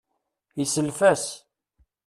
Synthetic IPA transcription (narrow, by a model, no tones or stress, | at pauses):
isəlfæs